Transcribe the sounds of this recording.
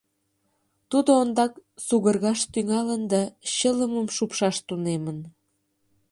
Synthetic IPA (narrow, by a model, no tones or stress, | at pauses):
t̪ud̪oond̪ɑksuɣərɣɑʃt̪yŋɑlənd̪ɑɕələməmʃupʃɑʃt̪unemən